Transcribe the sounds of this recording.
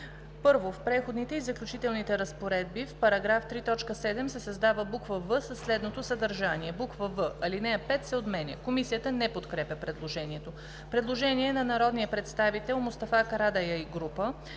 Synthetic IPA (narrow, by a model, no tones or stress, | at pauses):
pɤɾvofpɾɛxod̪nit̪ɛizəklʲut͡ʃit̪ɛlˠnit̪ɛɾəspoɾɛd̪̚bifpɐɾɐɡɾaft̪ɾit̪ɔt͡ʃkəsɛd̪ɛmsɛsɐzd̪avəbukvəvɤsəsːlɛd̪not̪osəd̪ɐɾʒaniɛbukvəvɤʔɐlinɛɐpɛt̪sɛot̪mɛnɛ̰komisijət̪ənɛpot̪kɾɛpʲəpɾɛd̪lˠoʒɛniɛt̪o | pɾɛd̪lˠoʒɛniɛnɐnɐɾɔd̪nijəpɾɛt̪st̪avit̪ɛlˠmʊst̪ɐfakɐɾad̪ajəiɡɾupə